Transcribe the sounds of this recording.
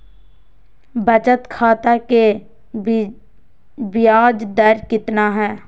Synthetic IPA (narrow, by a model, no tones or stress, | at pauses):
bət͡ʃət̪kʰaːt̪ake | bɪjaːd͡ʒd̪əɾkɪt̪naɦɛː